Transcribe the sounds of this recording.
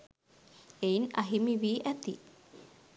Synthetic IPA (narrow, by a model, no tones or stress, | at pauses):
einaɦimiʋiːʔæt̪ḭ